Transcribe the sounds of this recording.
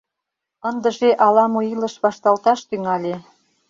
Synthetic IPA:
ə̆nd̪ə̆ʒeʔɑlɑmuilə̆ʃβɑʃt̪ɑlt̪ɑʃt̪yŋɑlʲe

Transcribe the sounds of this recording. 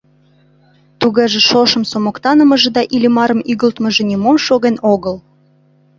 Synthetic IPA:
t̪uɣeʒĕʃoʃə̆msomokt̪ɑnəməʒĕd̪ɑʔilʲimɑɾə̆myɣəlt̪məʒĕnʲimomʃoɣenoɣəl

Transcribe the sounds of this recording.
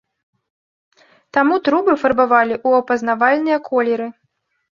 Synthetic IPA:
t̪amut̪ɾubɨfɐrbavalʲiʔuɐpɐznavalʲnɨjɐkʰɔlʲɛɾɨ

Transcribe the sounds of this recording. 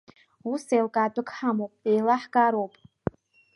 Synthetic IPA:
usejlkʼaːdʷʼɨkʰʼħamowpʼejlaħɡʼaɾowpʼ

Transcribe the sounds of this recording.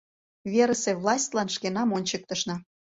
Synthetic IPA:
βʲeɾəsevlˠɑsʲt̪ʲlɑnʃkenɑmonʲt͡ɕək̚t̪ə̆ʃnɑ

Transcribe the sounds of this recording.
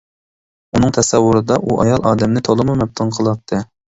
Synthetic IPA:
unɨŋt̪ʰɛsɛwːʊɾɨd̪ɑʔuʔɑjɑlˠɑːd̪ɛmnɪt̪ʰolˠɨmumɛp̚t̪ʰɨnqʰəlˠɑp̚t̪ʰːɨ

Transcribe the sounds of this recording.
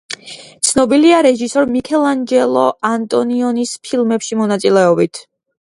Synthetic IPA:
t̪sʰnɔbiliaɾɛʒisɔɾmikʰɛlˠand͡ʒɛlˠɔ̰ant̪ʼɔniɔnispʰilˠmɛpʃimɔnat̪sʼilɛɔbit̪ʰ

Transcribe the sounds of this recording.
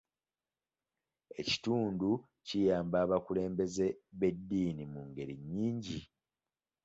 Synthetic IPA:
e̞ci̥tuːndu | cijaːmbaːβakule̞ːmbe̞ze̞βe̞dːiːnimuŋɡe̞ɾiɲːiːɲɟi

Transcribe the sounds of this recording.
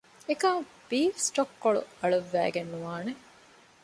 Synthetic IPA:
ekaː | b̥iːfsʈokːoɭṵɐɭuʋːæ̰ːɡenːuʋaːne

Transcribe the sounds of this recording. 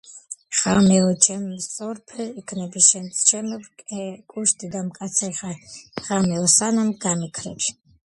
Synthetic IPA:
χamɛɔt͡ʃʰɛmːsɔɾpʰɛikʰnɛbiʃɛnst͡ʃʰɛmbkʼɛkʼuʃt̪ʼid̪amkʼat̪sʰɾiχaʁ̥amɛlɔsanamɡamikʰɾɛ̰pʃ

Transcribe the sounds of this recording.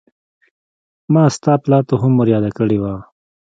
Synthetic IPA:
mɑːst̪ɑːplɑːt̪oɦʊmːoɾjɑːd̪akəɽewa

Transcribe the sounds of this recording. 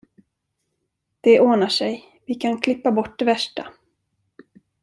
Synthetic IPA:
d̪̥ɛʔoːnaʂɛj | vɪkʰankʰlɪpːabɔʈ̚ːd̪ɛvæʂʈa̰

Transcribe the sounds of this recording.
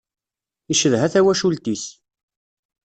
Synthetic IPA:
iʃəðɦæθæwæʃult̪is

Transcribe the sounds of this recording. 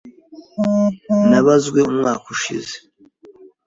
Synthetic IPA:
naβazɡwe̞umŋaːkuʃḭze

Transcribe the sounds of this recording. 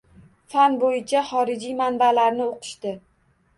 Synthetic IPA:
fanbojɪt͡ʃʰaχɒɾɪd͡ʒijmanbalaɾnɪoqʰɨ̥ʃt̪ɪ

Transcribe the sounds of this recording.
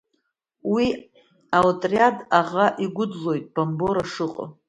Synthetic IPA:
wi | awtʼriadaʁaʔiɡʷʊd͡zlo̞jtʼb̥amboɾaʂɨqʼə̰

